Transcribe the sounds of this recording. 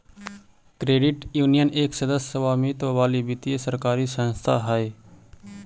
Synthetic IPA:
kɾeːɖɪʈjuːnijəneːksəd̪əsəʋaːmit̪oʋaːlibɪt̪iesəɾkaːɾisənst̪ʰa̰ɦaeː

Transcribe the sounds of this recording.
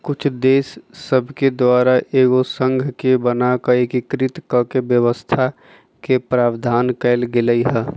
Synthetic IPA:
kʊt͡ʃʰd̪eːsːəbʱked̪waːɾaʔeːɡosə̃ŋɡʱkebənakaeːkɪkɾɪt̪kəkebjəwəst̪ʰa | kepɾaːbd̪ʱaːnkɛɪlɡɪləiɦɛ̃ː

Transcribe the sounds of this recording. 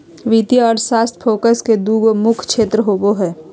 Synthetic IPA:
ʋit̪iɔːɾsaːst̪fʰoːkəsked̪uːɡmʊkʰkʃeːt̪ɾəɦoːboɦɛː

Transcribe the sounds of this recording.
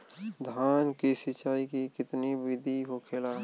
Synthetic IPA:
d̪ʱaːnkesɪt͡ʃaːikikɪt̪nibɪd̪ʱiɦokʰelaː

